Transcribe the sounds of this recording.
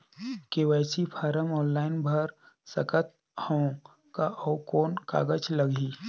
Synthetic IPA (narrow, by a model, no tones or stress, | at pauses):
keʋɛːsipʰaːɾəmɔːnlaːɪnbʱəɾ | sɐkət̪̚ | hõ | kaʔɔːkoːnka̰ːɡət͡ʃləɡʱiː